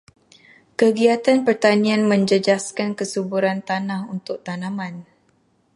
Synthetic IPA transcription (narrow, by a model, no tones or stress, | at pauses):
kəɡiat̪anpərt̪anĩanmə̃ɲd͡ʒəd͡ʒaskankəsubuɾant̪anahunt̪ʊk̚t̪anãman